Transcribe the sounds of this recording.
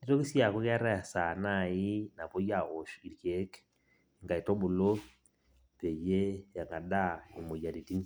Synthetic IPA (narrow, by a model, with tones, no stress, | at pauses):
ni˦to˦ki˦si˦a˨ko˦kja˦ɾa˦ja˨sa˨na˦˨i˦na˨pɔ˦ja˦˨ɣo˨ʃi˨ɾke˦k | ŋɡa˨i˨tɔ˦bu˨lo˦ | pe˨je˦ja˨ŋɡa˨da˦o˨mo˨ja˨ɾi˨ti˦n˦